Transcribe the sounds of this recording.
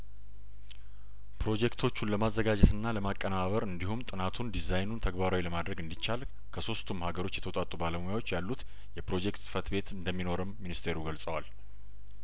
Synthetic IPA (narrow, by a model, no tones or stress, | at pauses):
pɾo̞d͡ʒekt̪ʰo̞t͡ʃːunləmazːəɡad͡ʒɛt̪ɨnːaləmakʼːənaβəɾɨnd̪ihumt̪ʼɨnat̪ʰund̪izajnunt̪ʰəɡbaɾawiləmad̪ɾəɡɨnd̪it͡ʃːal | kʰəso̞st̪ʰumhaɡəɾo̞t͡ʃːjɛt̪ʰəwt̪ʼat̪ʼːubaləmojawo̞t͡ʃːjalːut̪ | jɛpɾo̞d͡ʒekt̪sʼɨ̥fət̪be̞t̪ɨnd̪əmːino̞ɾɨmːinist̪ʰe̞ɾuɡəlsʼəwal